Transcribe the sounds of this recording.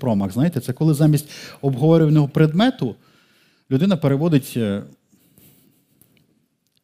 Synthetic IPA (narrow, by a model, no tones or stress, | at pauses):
pɾɔmɐɣznɑjt̪ɛt̪sɛkɔlˠɪzɑmʲisʲtʲɔbɦɔʋɔɾʲɪʋɐnʲɔɦɔpɾed̪mɛt̪ʊ | lʲʊd̪ɪnɐpeɾeʋɔd̪ɪtʲ